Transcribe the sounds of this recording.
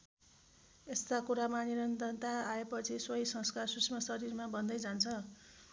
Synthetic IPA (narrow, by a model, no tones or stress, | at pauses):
est̪akuɾamaniɾʌnt̪ʌnt̪aaepʌt͡sʰiswʌjsʌ̃ŋskarsusʰmʌsʌɾirmabʌnd̪ʌjd͡zant͡sʰʌ